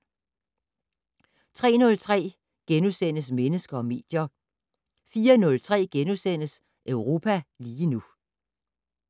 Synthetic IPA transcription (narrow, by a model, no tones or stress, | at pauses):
t͡sʰʁɛ̰ːnɔ̽lt͡sʰʁɛ̰ː | ɡ̥enusenəsmenəsɡ̥ɐɒ̽me̝̰ːd̥jɐ | fiːɐnɔ̽lt͡sʰʁɛ̰ːɡ̥enusen̰əs | ʔœʊʁo̝ːpʰæliːnu